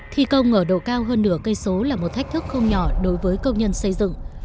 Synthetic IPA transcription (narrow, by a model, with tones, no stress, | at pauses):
t̪ʰi˧kə˧wŋ͡mŋəː˧˩ɗo̰˧˨kaː˧wɦəː˧nːɨ˧˩əkə˧jso˨˦laː˨˩mo˨˩t̚t̪ʰk̚t̪ʰɨ˦˥k̚xə˧wŋ͡mɲɔ˧˩ɗo˨˦jvəː˨˦jkə˧wŋ͡mɲə˧nsə˧jzɨ̰˧˨ŋ